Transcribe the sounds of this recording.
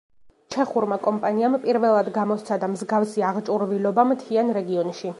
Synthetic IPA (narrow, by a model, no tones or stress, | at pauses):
t͡ʃʰɛχuɾmakʼɔmpʼaniampʼiɾvɛlˠad̪ɡamɔst̪sʰad̪amzɡafsiaʁt͡ʃʼuɾvilɔbamt̪ʰianɾɛɡiɔnʃi